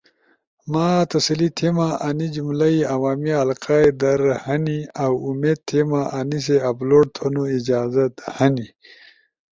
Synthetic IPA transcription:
maːt̪ɐsɐlit̪ʰemaʔanid͡ʑumlaiawaːmialqaːed̪ɐɾhɐniawumeːd̪̚t̪ʰemaʔanis̬eɐbloːɽ̚t̪ʰonuid͡ʑaːzɐt̪hɐni

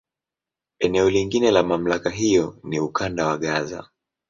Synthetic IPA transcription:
ɛnɛɔliŋɡinɛlamam̩lakaɦijɔniukandawaɠaza̰

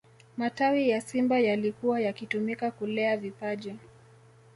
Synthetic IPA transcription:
matawijasimbajalikuwajakitumikakulɛavipaʄɛ

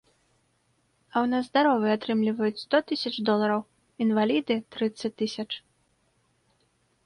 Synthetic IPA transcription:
ɐwnazd̪aɾɔvɨat̪ɾɨmlʲivɐjut͡sʲst̪ɔt̪ɨsʲɐt͡ʂd̪ɔlˠɐɾɐw | invalʲid̪ɨt̪ɾɨt̪sɐt͡sʲt̪ɨsʲɐt͡ʂ

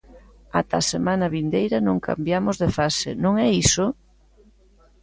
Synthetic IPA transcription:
at̪asemanɐβind̪ejɾɐnõŋkʰa̰mbjamozðefasḛnõŋɛiso

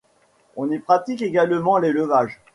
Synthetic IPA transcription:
ɔ̃nipχat̪ikeɡalmɑ̃leləvaʒ

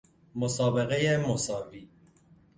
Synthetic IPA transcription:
mosɒːbeɣejemosɒːvi

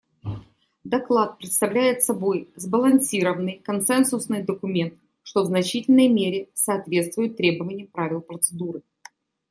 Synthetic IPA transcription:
d̪ɐklˠat̪̚pɾʲɪt̪st̪ɐvlʲæjɪt̪sɐbo̞jzbəlˠɐnsʲiɾəvənːɨjkɐnsɛnsʊsnɨjd̪əkʊmʲe̞nt̪ | ʂt̪o̞vznɐt͡ɕitʲɪlʲnəjmʲeɾʲɪsɐːt̪vʲe̞t̪st̪vʊjʊt̪ːɾʲe̞bəvənʲɪjəmpɾavʲɪlˠpɾət̪sɨd̪uɾɨ

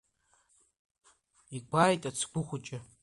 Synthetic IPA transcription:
iɡʷajtʼat͡sʰɡʷʊχʷʊt͡ʃʼɪ

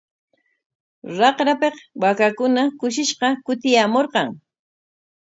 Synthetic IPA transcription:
ɾɑqɾapeqwakakʊnakʊʃɪʃqɑkʊt̪ɪjamoɾqɑŋ

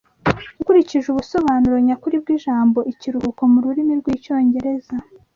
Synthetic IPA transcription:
ukuɾiciʒuβuso̞βaːnuɾoɲakuɾib̚ɡiʒaːmbo̞ʔiciɾuhuko̞muɾuɾimiɾɡwiːco̞ːɲɟe̞ɾe̞za

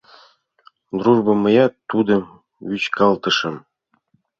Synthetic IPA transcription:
d̪ruʐbɤ̆mɤ̆jɑt̪ːud̪ɤ̆m | yt͡ɕkɑlˠt̪ɤ̆ʃɤ̆m

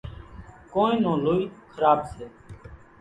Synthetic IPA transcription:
kõːẽːnõːloːiːkʰəɾaːbseː

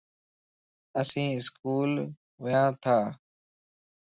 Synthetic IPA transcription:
əsĩːɪskuːl | ʋəjãːt̪ʰaː

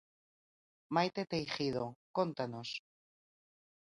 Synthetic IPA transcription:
majt̪et̪ejxiðokont̪anos

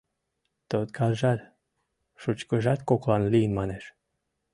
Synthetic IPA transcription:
t̪ot̪kʰɑlʒɑlʲ | ʃut͡ɕkəʒɑt̪koklɑnlijənmɑneʃ

